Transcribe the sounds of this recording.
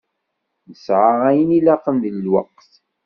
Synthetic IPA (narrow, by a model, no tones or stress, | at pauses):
nəsʕaæjənilæqənðəlːwɑ̰qːθ